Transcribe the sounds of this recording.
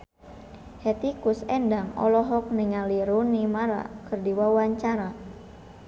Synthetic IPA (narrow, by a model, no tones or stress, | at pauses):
hɛt̪ikusɛndaŋɔ̰lɔɦɔk̚niŋaliɾunimaɾa̰kɨrdiwawaɲt͡ʃaɾa